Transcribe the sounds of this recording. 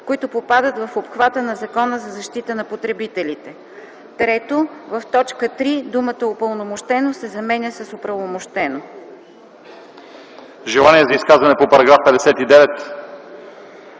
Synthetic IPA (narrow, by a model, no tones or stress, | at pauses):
koit̪ʊpopad̪ət̪vɐfopxvat̪ənɐzɐkɔnəzɐzɐʃt̪it̪ənɐpot̪ɾɛbit̪ɛlit̪ɛ | t̪ɾɛt̪ovɐft̪ɔt͡ʃkət̪ɾid̪umət̪əopəlˠnomoʃt̪ɛnosɛzɐmɛnʲəsɐsʊpɾɐvomoʃt̪ɛno | ʒɛlˠaniɛzɐiskazvɐnɛpopɐɾɐɡɾafpɛd̪ɛsɛt̪id̪ɛvɛt̪